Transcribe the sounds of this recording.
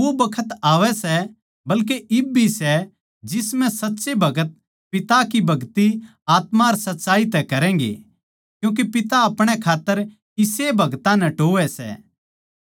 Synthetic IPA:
obɐkʰət̪aːʋɛsɛ | bɐlkeʔɪbʱisɛ | d͡ʒɪsmɛ̃sɐtːsebʱɐɡət̪̚ | pɪt̪akibʱɐɡt̪i | aːt̪maːɾsɐtːsaːit̪ɛkɐɾɛ̃ːŋɡḛ | kjũːk̬epɪt̪aɐpɽ̃ɛkʰaːt̪ːəɾ | ɪsebʱɐɡt̪ãnɛʈoːʋɛsɛ̰

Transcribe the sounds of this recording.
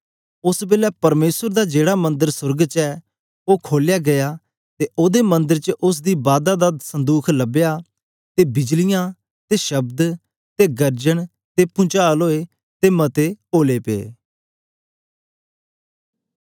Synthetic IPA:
ʊsbeːlɛːpəɾmeːsəɾd̪aːd͡ʒeːɽaːmə̃nd̪əɾsʊɾɡt͡ʃɛː | oːkʰoːljaːɡɐjaː | t̪eːʔoːd̪eːmə̃nd̪əɾt͡ʃəʔʊs̬d̪iːbaːd̪aːd̪aːd̪sə̃nd̪uːkʰləbejaː | t̪eːbɪd͡ʒlɪjãː | t̪eːʃəbd̪ | t̪eːɡəɾd͡ʒəɳ | t̪eːpʊ̃t͡ʃaːlɦoːeː | t̪eːmət̪eːoːleːpḛː

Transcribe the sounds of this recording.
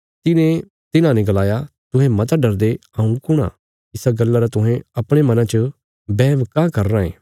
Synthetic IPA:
t̪ɪnẽ | t̪ɪnãnɛ̃ɡɐlaːjat̪ʊ̃ɦɛ̃mɐt̪ɖɐɾd̪eɐũkʊɽ̃a̰ | ɪsaɡɐlːaɾat̪ʊ̃ɦɛ̃ɐpɽ̃emɐnãt͡ʃə | bɛːʋkãːkɐɾːãːḛ̃ː

